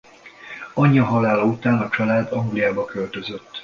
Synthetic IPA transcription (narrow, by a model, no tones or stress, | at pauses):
ɒɲːɒɦɒlaːlɒut̪aːnɒt͡ʃɒlaːd̪ɒŋɡlijaːbɒkølt̪ø̞zøt̪ː